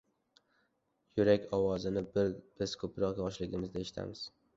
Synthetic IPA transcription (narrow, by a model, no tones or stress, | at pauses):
jʊɾakʲɒwɒzɪnɪbɪɾb̥ɪz̥kʰɵpɾɒqjɒʃlɪɡʲɪmɪzd̪aeʃɪ̥t̪ʰa̰mɪz̥